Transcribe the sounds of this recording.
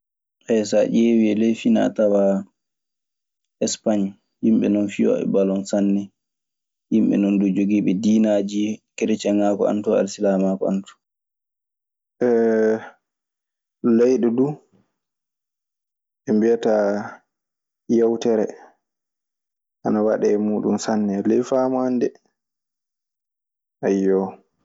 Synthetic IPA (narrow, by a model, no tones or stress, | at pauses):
hɛjsaʔewiɛlejfina̰tawa | ʔɛspaɲ | himɓɛ̰nɔnfijɔ̰ɛ̰balɔnsanːɛ | himɓɛ̰nɔndud͡ʒoɡiːɓɛdiːnad͡ʒikɛɾɛt͡ʃɛŋakɔa̰ntɔa̰lsilamakɔantɔ̥ | ʔɛ | lɛjɗɔdu | ʔɛmbiata | jawtɛɾɛ̰ | ʔanawaɗɛːmuːɗunsanːɛlɛjfaːmandɛ | ʔajːɔ